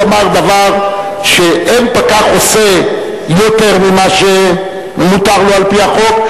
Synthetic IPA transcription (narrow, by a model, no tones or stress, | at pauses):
amaʁd̪avaʁ | ʃeɛmpakaχose | jot̪ɛʁmemaʒe | mut̪aʁloalpiaχɔk